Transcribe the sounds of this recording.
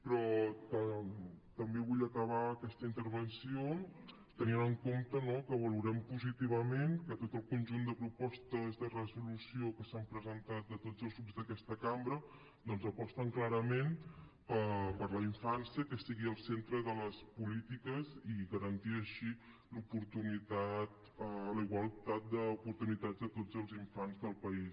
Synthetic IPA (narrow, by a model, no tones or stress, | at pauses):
pɾɔt̪ət̪əmbeβuʎəkəβ̞aəkɛst̪əint̪əɾβənsio | t̪əninəŋkomt̪ənokəβəluɾɛmpuzit̪iβ̞əmeŋkət̪ot̪əlˠkunʲʒund̪əpɾupɔst̪əzðərəzulusiokəsampɾəzənt̪at̪̚d̪ət̪ozəlˠzɣɾubzd̪əkɛst̪əkambɾə | d̪ɔnzəpɔst̪əŋklaɾəmen | əpəɾləiɱfansiəkəsiɣiəlˠsent̪ɾəðələspulit̪ikəziɣəɾənt̪iəʃi | lupuɾt̪unit̪at̪ | ələiɣwəlˠt̪at̪̚d̪əupuɾt̪unit̪ad͡zd̪ət̪od͡zəlˠziɱfanzðəlˠpəis